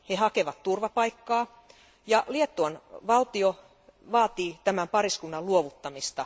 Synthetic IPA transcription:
hehɑkeʋɑt̪turʋɑpɑikːɑː | jɑliet̪ːuɑnʋɑlt̪io | ʋɑːt̪iːt̪æmæmpɑriskunːɑluoʋut̪ːɑmist̪ɑ

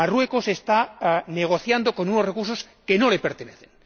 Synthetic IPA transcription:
arwe̞kosest̪aneɣ̞o̞θjand̪oko̞nunosrekuɾsos | kenolepeɾt̪eneθen

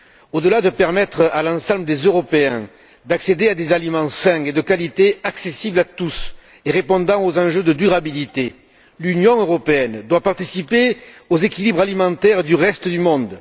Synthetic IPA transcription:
od̪əlad̪əpɛʁmɛt̪χəalɑ̃sɑ̃bləd̪ezøʁɔpeɛ̃ | d̪aksed̪ead̪ezalimɑ̃sɛ̃ed̪əkalit̪eaksesiblat̪us | eʁepɔ̃d̪ɑ̃ozɑ̃ʒød̪əd̪yʁabilit̪e | lynjɔ̃øʁɔpeɛnd̪wapaʁt̪isipeozekʲilibʁalimɑ̃t̪ɛʁd̪yʁɛst̪əd̪ymɔ̃d̪

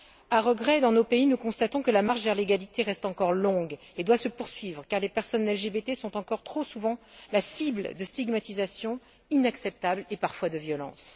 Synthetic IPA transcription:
aʁəɡʁɛd̪ɑ̃nopeinukɔ̃st̪at̪ɔ̃kəlamaʁʃvɛʁleɡalit̪eʁɛst̪ɑ̃kɔʁlɔ̃ɡ | ed̪wasəpuʁsɥivʁəkaʁlepɛʁsɔnɛlʒebet̪esɔ̃t̪ɑ̃kɔʁt̪χosuvɑ̃lasibld̪əst̪iɡmat̪izasjɔ̃ | inaksɛp̚t̪ablepaʁfwad̪əvjɔlɑ̰̃s

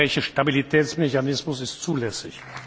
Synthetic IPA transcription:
ɛɪçəʃtabilitʰɛːt͡smeçanɪsmʊsɪstt͡suːlɛsɪç

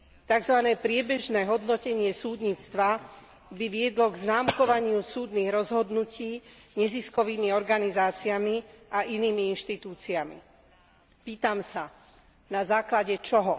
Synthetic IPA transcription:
t̪aɡzʋanɛːpɾɪɛbɛʒnɛːɦɔd̪nɔcɛɲɪɛsuːd̪ɲiːt͡st̪ʋa | biʋɪɛd̪lɔɡznaːmkɔʋaɲɪusuːd̪niːɣɾɔzɦɔd̪nuciːɲɛziskɔʋiːmiɔɾɡanizaːt͡siamiʔaʔiniːmiinʃt̪it̪uːt͡siamḭ | piːt̪amsa | nazaːklaɟɛt͡ʃɔɦɔ

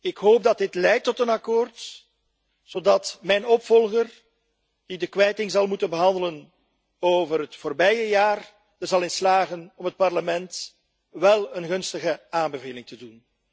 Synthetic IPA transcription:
ɪkɦoːp̚dɑt̚dɪtlɛjtːɔtənɑkoːrt | z̥oːdɑtmɛjnɔpfɔlˠɣər | d̥idəkʋɛjtɪŋzɑlˠmutənbəɦɑndələn | oːvərɦətfoːrbɛjəjaːr | d̥ərzɑlˠɪnslaːɣənɔmɦət̚pɑrləmɛnt | ʋɛlˠənɣɵnstəɣəaːnbəveːlɪŋtədun

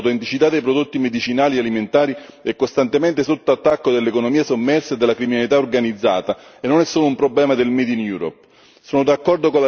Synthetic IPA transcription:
wt̪ɛnt̪it͡ʃit̪ad̪ːejpɾod̪ot̪ːimed̪it͡ʃinaːlialiment̪aːɾiɛkːost̪ant̪emɛnt̪esot̪ːoat̪ːakːod̪elːekonomiːasomːɛrsed̪elakɾiminalit̪aorɡanid̪zːa̰ːt̪aenːonɛsːoːloumpɾoblɛːmad̪elmɛd̪injuːɾɔ̰p̚ | soːnod̪akːɔrd̪okola

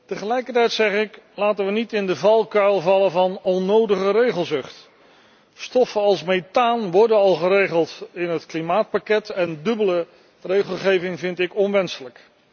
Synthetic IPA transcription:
təχəlɛjkəɹtɛjtsɛχɪklaːtənʋənitɪndəvɑlˠkœlˠvɑlənvɑnɔnːowdəχərejχəlˠzɵχt | stɔfənɑlˠsmejtaːnʋɔɹdənɑlˠχəɾejχəlˠtɪnɦətklimaːt̚pakɛtɛndɵbələ | rejχəlˠχejvɪŋvɪntɪkɔnʋɛnsələk

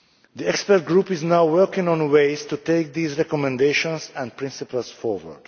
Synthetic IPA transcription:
d̪iɛkspɛɾt̚ɡɹupɪznawwɜɹkɪ̃ŋɔ̃nweɪst̪uteɪk̚d̪iːzɹɛkɔmɛ̃ndeʃɔ̃nsɛ̃npɹɪ̃nsipəlsfɔɹwə̰ɹd̥

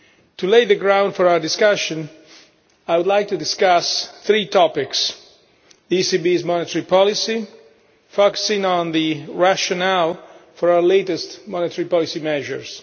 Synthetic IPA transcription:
tuleɪðəɡɹãʊ̃ndfɔɹawə˞dɪskaʃə̃n | aɪjwʊdlajk̚tudɪskasθɹitʰɔpɪks | ðisibizmɔnɪtəɹipɔlisi | fɔkə̥sɪ̃ŋə̃nðiɹaʃɔnɛlfɔɹawə˞letɛstmɔnɪtʰəɹipɔlisimɛʒə̰ɹs

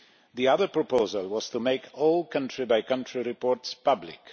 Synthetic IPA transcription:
ðiʌðə˞pɹ̥əpʰoʊzəlˠwʌz̥tʰəmeɪkʰɔlˠkʰʌ̃ntɹ̥ibaɪkʰʌ̃ntʰɹiɹɪpʰɔɹtspʰʌblɪ̰k

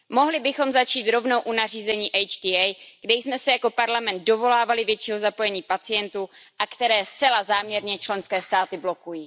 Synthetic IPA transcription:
mo̞ɦlɪbɪxo̞mzat͡ʃiːt̪ɾo̞vno̞wʔunar̝iːzɛɲiːʔɛjt͡ʃdiːajɡ̥dɛjsmɛsɛjako̞paɾlamɛnt̪̚do̞vo̞laːvalɪvjɛt͡ʃiːɦo̞zapo̞jɛɲiːpat͡sɪjɛnt̪uʔakt̪ɛɾɛːst͡sɛlazaːmɲɛɾɲɛt͡ʃlɛnskɛːst̪aːt̪ɪblo̞kujiː

